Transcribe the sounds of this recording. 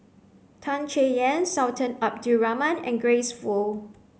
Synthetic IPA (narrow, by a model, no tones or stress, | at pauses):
tʰãnt͡ʃejɛ̃nsaʊtʰə̃nap̚duɹamə̃nɛ̰̃nɡɹesfɔ